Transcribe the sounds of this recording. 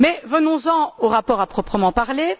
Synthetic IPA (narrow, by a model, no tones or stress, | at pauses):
mɛvənɔ̃zɑ̃oʁapɔːʁapχɔpχəmɑ̃paʁle